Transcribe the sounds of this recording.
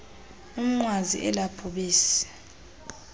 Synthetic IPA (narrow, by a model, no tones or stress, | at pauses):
um̩ŋ͡ǃwazḭʔɛlapʰuɓiːsɛ̥